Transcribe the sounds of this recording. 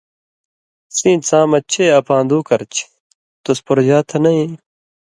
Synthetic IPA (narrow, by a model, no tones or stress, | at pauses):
sĩːt͡sãːmɐt͡ɕʰeːɐpʰãːnd̪uːkɐɾt͡ɕʰ | t̪ospoɾd͡ʑaːt̪ʰɐnɐĩ